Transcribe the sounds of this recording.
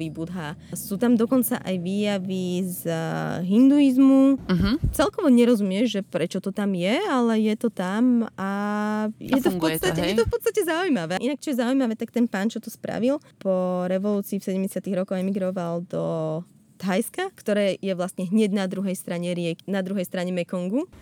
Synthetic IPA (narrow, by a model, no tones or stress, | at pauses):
iːbud̪ɦasuːt̪amd̪ɔkɔnt͡sa̰ʔajʋiːjaʋizɦind̪uizmut͡sɛlkɔʋɔɲɛɾɔzumɪɛʒʒɛpɾɛt͡ʃɔt̪ɔt̪amjɛalɛjɛt̪ɔt̪ama | jʔɛt̪ɔfpɔst̪aɛjɛt̪ɔfpɔt̪t͡st̪acɛzaujmaʋɛːʔinak̚t͡ʃɔjɛzaujmaʋɛːt̪ak̚t̪ɛnpaːnt͡ʃɔt̪ɔspɾa̰ʋilpɔɾɛʋɔluːt͡siːfsɛɟɛmɟɛsɪat̪iɣɾɔkɔwɛmiɡɾɔʋald̪ɔ | t̪ɦajskakt̪ɔɾɛːjɛʋlast̪ɲɛɦɲɛɟnad̪ɾuɦɛjst̪ɾaɲɛɾɪɛknad̪ɾuɦɛjst̪ɾaɲɛmɛkɔŋɡu